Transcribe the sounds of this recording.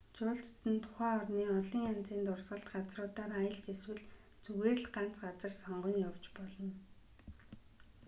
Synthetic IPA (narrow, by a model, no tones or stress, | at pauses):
t͡ɕʊːɬt͡ɕt̪ɘ̆nt̪ʰʊ̥χæːɔrniːɔɮĭːŋan̥t͡siːnt̪ʊrsɢə̆ɬt̪ɢat͡srʊːt̪aːɾajə̆ɮt͡ɕeswɘ̆ɮ | t͡suɣeːrɮɢan̥t͡sɢat͡sə̆rsɔɴɢɞ̆njaw̥t͡ɕpɔɮɞ̆n